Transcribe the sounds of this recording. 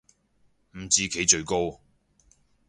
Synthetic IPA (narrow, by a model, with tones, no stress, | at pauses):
m̩˨˩t͡siː˧kʰe˨˥jt͡ʃɵ˧ɥko˥w